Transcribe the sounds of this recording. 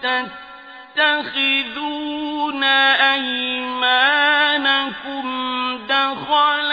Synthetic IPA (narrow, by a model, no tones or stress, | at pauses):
ta | t̪ːaxɪðuːnaʔajmaːnakʊmd̪axɑːl